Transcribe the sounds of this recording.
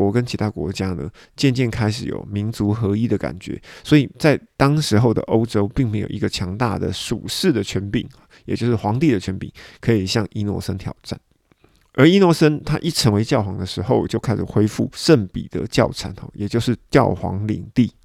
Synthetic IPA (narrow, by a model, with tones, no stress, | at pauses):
wɔ˧˥kə˦nt͡ɕʰi˧˥t̪ʰa˥kwɔ̰˧˥t͡ɕja˥nə̰˧˨ | t͡ɕjɛ˥˧nt͡ɕjɛ˥˩nkʰa˥ɪʂɻ̩˨˩jo̰˨˩ʊmi˧˥nt͡su˧˥xɤ˧˥i˦˥d̪ə˨ka̰˨˩nt͡ɕɥɛ̰˧˦swɔ˧˥i˨˩t͡sa˥˩ɪt̪ɑ˥ŋʂɻ̩˧˥xo˥˩ʊd̪ə̰˩ʔo˥ʊʈ͡ʂo˥ʊpi˥˩ŋme˧˥ɪjo̰˨˩ʊi˧ɡə˧t͡ɕʰjɑ˧˥ŋt̪a̰˥˩d̪ə̰˩ʂṵ˨˩ʂɻ̩˥˩d̪ə˨t͡ɕʰɥɛ˧˥npḭ˨˩˦ŋ˩jt͡ɕjo˥˧ʊʂɻ̩˥˩xwɑ˧˥ŋt̪i˥˩d̪ə˩t͡ɕʰɥɛ˧˥npḭ˨˩ŋkʰɤ˧˥i˨˩ɕjɑ˥˩ŋi˥nwɔ̰˧˥sə˥nt̪ʰjɑ̰˨˩ʊʈ͡ʂa̰˥˩n | ə˞˧˥i˥nwɔ˧˥sə˥nt̪ʰa˦˥ʔi˥˩t͡sʰə˧˦˥ŋwe˧ɪt͡ɕjɑ˥˩ʊxwɑ˧˥ŋd̪ə˧ʂɻ̩˧˥xo˥˧ʊt͡ɕjo˥˧ʊkʰa˥ɪʂɻ̩˨˩xwe˥ɪfu˥˩ʂə˥˩npḭ˨˩d̪̥ə̰˨˦t͡ɕjɑ˥˩ʊʈ͡ʂʰa˧˥nxɔ̰˨˩jɛ˨˩t͡ɕjo˥˧ʊʂɻ̩˥˩t͡ɕjɑ˥˩ʊxwɑ̰˧˥ŋlḭ˨˩ŋt̪i˥˩